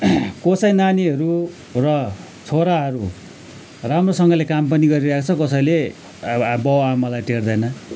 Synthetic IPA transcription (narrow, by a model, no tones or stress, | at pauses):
kosʌjnaniɦʌɾu | rʌ | t͡sʰoɾaɦʌɾu | ramrosʌŋɡʌlekampʌniɡʌɾiɾʌɦekt͡sʰʌkʌsʌjle | bʌwamʌlajʈerd̪ʌjnʌ